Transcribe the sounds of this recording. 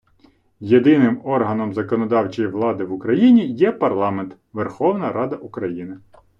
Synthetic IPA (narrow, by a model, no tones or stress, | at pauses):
jed̪ɪnɪmɔrɦɐnɔmzɐkɔnɔd̪ɑwt͡ʃijiʋlˠɑd̪ɪʋʊkɾɐjinʲijɛpɐrlˠɑment̪ | ʋerxɔwnɐɾɑd̪ɐʔukɾɐjinɪ